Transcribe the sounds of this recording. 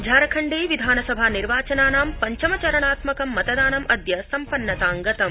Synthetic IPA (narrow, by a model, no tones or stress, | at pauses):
d͡ʒʱaːɾɐkʰɐɳɖeːʋid̪ʱaːnɐsɐbʱaːniɾʋaːt͡ʃɐnaːnaːmpɐɲt͡ʃɐmɐt͡ʃɐɾɐɳaːt̪mɐkɐmːɐt̪ɐd̪aːnɐmʔɐd̪jɐsɐmpɐnːɐt̪aːŋɡɐt̪ɐm